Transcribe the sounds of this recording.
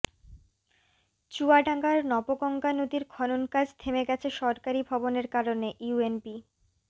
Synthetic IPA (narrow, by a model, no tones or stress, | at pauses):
t͡ɕuaɖʱaŋɡaɾnɔpokɔŋɡanod̪iɾkʰɔnonkad͡ʑt̪ʰemeɡɛt͡ɕʰeʃɔɾkaɾibʱɔboneɾkaɾoneʔjuenbi